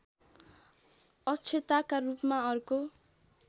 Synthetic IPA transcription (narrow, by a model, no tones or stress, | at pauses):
ʌt͡sʰet̪akarupmaʌruko